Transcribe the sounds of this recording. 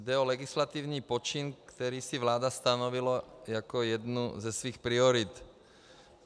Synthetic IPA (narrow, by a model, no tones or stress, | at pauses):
d̪ɛɔlɛɡislat̪iːʊniːpɔt͡ʃinkt̪ɛɾiːsiʋlaːd̪ast̪anɔʋilajakɔjɛd̪nuzɛsʋiːxpɾiɔɾit̪